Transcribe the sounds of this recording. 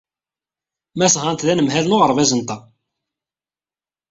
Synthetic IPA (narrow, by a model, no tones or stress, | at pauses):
mæsʁɑnt̪ðænəmɦælnoʁəɾˤvæzənt̪æ